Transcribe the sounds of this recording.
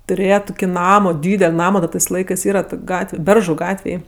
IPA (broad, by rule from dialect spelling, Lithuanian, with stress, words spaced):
tʊˈrʲeːjɛ ˈtʊkʲɪ ˈnɑːmoː ˈdʲiːdʲɛlʲ ˈnɑːmoː dɐ tɜs ˈlˠɐɪkɜs ˈiːrɐ toːkʲ ˈɡɑːtʲʋʲɛ ˈbʲɛrʒʊ ˈɡɑːtʲʋʲeːj